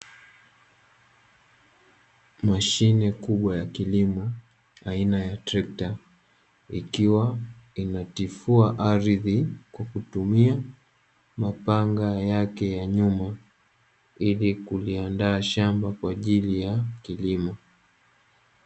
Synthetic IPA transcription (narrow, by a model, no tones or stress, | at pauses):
maʃinɛkuɓwajakilimɔ | ainajatɾɛk̚ta | ḭkiwainatifuaʔaɾiðikwakutumia | mapaŋɡajakɛjaɲuma | ilikuliandaːʃambakwaʄilijakilimɔ